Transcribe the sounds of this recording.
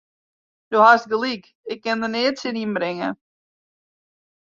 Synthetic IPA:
d̥ohast̚ɡəlik | ɪkːɛndəneːtsɪdimbɾɪŋə

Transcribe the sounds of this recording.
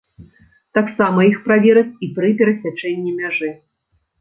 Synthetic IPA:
t̪aksamɐixpɾavʲɛɾɐt͡sʲipɾɨpʲɛɾɐsʲat͡ʂɛnʲːimʲaʐɨ

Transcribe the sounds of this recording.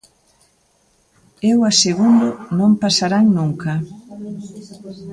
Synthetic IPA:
ewaseɣund̪ʊnõmpasaɾaŋnũŋkɐ

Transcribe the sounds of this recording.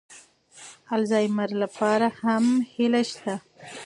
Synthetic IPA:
alzɑjmaɾlapɑɾahamhɪlaʃt̪a

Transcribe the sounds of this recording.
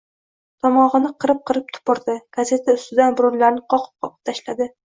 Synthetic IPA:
t̪ʰɒmɒʁɨnɪqʰɨɾɪp̚qʰɨɾɪp̚t̪ʰʊ̥pɒɾd̪ɪɡ̥aze̞t̪ʰaʊst̪ɪd̪anbʊɾʊɾlaɾnɪqʰɒqʰɨ̥p̚qʰɒqɨ̥p̚t̪ʰaʃlad̪ɪ

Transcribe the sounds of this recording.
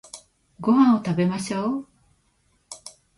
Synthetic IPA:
ɡoɦãɰ̃ot̪abe̞maɕoː

